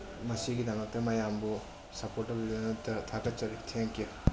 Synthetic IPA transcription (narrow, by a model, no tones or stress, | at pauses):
mɐsiɡidɐmɐk̚tɐmɐjambu | sɐpoɾtɐbilɐnutɐtʰaɡɐt̚t͡ʃɐɾitʰeŋku